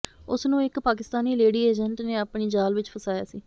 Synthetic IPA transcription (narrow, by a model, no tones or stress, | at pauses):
ʊsnũːɪkpaːkɪst̪aːniːleːɽiːeːd͡ʒəɳʈneːaːpɳiːd͡ʒaːlʋɪt͡ʃpʰəsaːja̰ːsiː